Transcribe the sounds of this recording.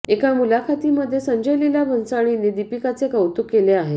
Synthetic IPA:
ekamulakʰat̪iməd̪ʱːjesəɲd͡ʑəjlilabʱənsaɽ̃inid̪ipikat͡sekəwt̪ukːeleaɦe

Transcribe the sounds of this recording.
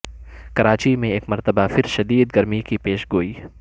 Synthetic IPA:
kɐɾaːt͡ʃimẽeːkmɐɾt̪əbafɪɾʃɐd̪iːd̪ɡɐɾmikipeːʃɡoːiː

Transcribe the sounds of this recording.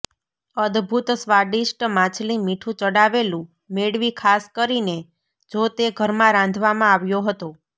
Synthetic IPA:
əd̪bʱut̪sʋaɖisʈmãt͡ʃlimiʈʰũt͡ʃəɽaʋelũ | meɽʋikʰaskəɾine | d͡ʒot̪eɡʱəɾmãɾãnd̪ʱʋamãaʋjoɦət̪o

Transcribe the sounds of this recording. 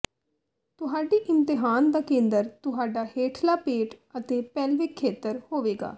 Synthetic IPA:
t̪ʊɦaːɖiːʔɪmt̪ɪɦaːnd̪aːkẽːnd̪əɾt̪ʊɦaːɖaːheːʈʰlaːpeːʈət̪eːpɛːlʋɪkʰːeːt̪əɾhoːʋeːɡa̰ː

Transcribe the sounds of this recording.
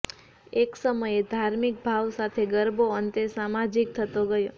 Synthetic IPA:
eksəməjed̪ʱaɾmik̚bʱaʋsat̪ʰeɡəɾbʱoənt̪esamad͡ʒik̚t̪ʰət̪oɡəjo

